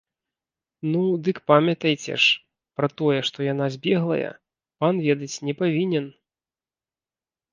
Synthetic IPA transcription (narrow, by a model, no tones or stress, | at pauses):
nud̪ɨkpamʲɐt̪ɐjt͡sʲɛ̰ʂ | pɾɐt̪ɔjɛʂt̪ɔjan̪azʲbʲɛɣlˠɐ̰jɐ̰ | panvʲɛd̪ɐt͡sʲnʲɛpavʲinʲɛn